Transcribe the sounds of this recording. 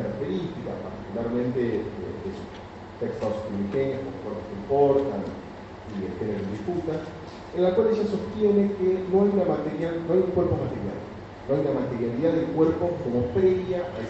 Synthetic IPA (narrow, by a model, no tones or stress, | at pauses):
aɾak̚t̪e̞ɾist̪ika̰paɾt̪ikulaɾmẽ̞nt̪eḛd̪es | t̪ekst̪awskimixenjaskomokweɾposempoɾt̪an | iðet̪enennðisput̪a | elːakwaleʒasost̪je̞nekenoajunamat̪eɾjalnoajuŋkwe̞ɾpomat̪eɾja̰l | noajunamat̪eɾjaliðaðelkweɾpo̞komopɾeβjaʔa